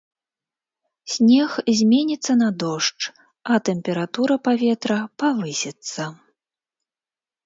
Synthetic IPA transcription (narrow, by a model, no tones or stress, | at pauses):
sʲnʲɛxzʲmʲɛnʲit̪sːɐnɐd̪ɔʂt͡ʂ | ɐt̪ɛmpʲɛɾat̪uɾɐpavʲɛt̪ɾɐpavɨsʲɛt̪sːɐ